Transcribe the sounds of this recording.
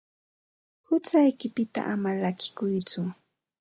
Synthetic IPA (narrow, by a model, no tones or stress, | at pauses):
hʊt͡sajkɪpɪt̪a̰ʔamalakɪ̥kʊjt͡sʊ